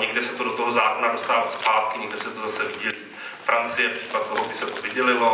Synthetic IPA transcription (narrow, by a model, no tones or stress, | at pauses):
ɲɛɡdɛsɛt̪odot̪oɦozaːkonadost̪aːvaspaːt̪̚kɪɲɛɡdɛsɛt̪ozasɛvɪɟɛliː | fɾant͡sɪjɛpr̥i̥ːpat̪̚t̪oɦobɪsɛt̪ovɪɟɛlɪlo̞